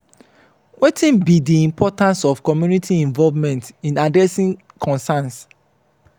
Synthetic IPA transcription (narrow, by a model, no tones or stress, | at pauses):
wʔetʰĩnbidiĩmpʰɔtãnsɔfkɔmjunitʰiĩɱvɔlvmɛ̃ntĩnadɹɛsĩŋ | kʰɔ̃nsãns